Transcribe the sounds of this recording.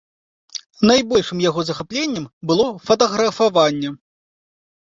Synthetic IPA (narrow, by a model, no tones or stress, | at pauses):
najbɔlʲʂɨmjaɣɔzɐxaplʲenʲːɐmbɨlˠɔfɐt̪ɐɣɾɐfavanʲːɛ